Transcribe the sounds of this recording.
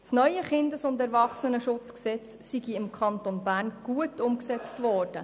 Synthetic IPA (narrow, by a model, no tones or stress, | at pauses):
snœʏəχɪndəsʊndɛɾvɑχsənəʃʊt͡sksɛt͡s | siɡiɪmkʰɑntonbæːɾnɡ̥uətʊmksɛt͡stvɔːrd̥ə